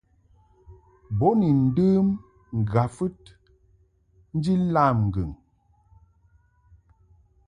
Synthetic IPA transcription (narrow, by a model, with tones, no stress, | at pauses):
bɔ˨˦ni˨n̩˦dəː˦m | ŋ̩˨ɡa˨fɨ˦t̚ | n̩˦d͡ʒi˦la˦˨mŋ̩˨ɡə˨ŋ